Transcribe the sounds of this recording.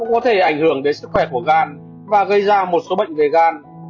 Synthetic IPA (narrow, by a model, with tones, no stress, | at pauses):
kʊ̰˧˥ŋ͡mkɔ˨˦t̪ʰe˧˩ʔa˧˩jŋ̟hɨ˧˩əŋɗe˨˦nsɨ˦˥k̚xwɛ˧˩ku˧˩əɣaː˧˩n | vaː˨˩ɣə˧jzaː˧mo˨˩t̚so˨˦ɓə̰˧˨ŋ̟ve˨˩ɣaː˧n